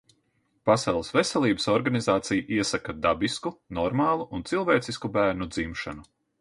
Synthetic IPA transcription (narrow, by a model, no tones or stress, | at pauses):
pasɑlˠsvesʲɛlˠiːbəsɔɾɡanizaːt̪sijʔiɛsakad̪abiskunɔɾmaːlˠuʔunt̪silˠvɛːt̪siskubæːɾnud̪zimʃanu